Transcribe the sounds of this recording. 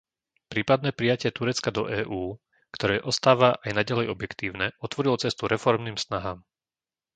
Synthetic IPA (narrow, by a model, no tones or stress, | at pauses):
pɾiːpad̪̚nɛːpɾijacɪɛt̪uɾɛt͡skad̪ɔʔɛːʔuː | kt̪ɔɾɛːʔɔst̪aːʋaʔajnaɟalɛjɔbjɛkt̪iːʊnɛɔt̪ʋɔɾilɔt͡sɛst̪uɾɛfɔɾmniːmsnaɦaːm